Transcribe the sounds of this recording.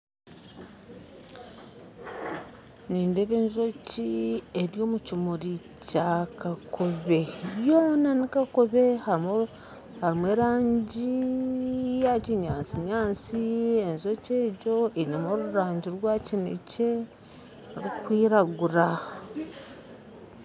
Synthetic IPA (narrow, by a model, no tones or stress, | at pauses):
niːndeβeːnzocieɾjo̞ːmucimuɾicakakʰo̞βe̞joːnanikakoβe̞ha | haɾimweːɾaːɲɟi | jaciɲaːnsiɲaːnsie̞nzo̞ceːɟo̞enamoɾuɾaːɲɟiɾwaːcinḛce̞ | ɾikwiːɾaɡuɾa